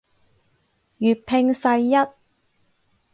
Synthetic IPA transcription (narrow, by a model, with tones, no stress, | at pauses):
jyː˨t̚pʰɪ˧ŋsɐ˧jːɐ˥t̚